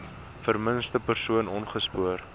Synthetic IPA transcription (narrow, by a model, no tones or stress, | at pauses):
fərmənstəpərsuənɔnχəspuər